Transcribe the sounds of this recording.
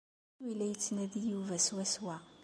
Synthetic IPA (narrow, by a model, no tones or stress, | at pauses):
wilːæjət͡sːnæðijuvæswæswæ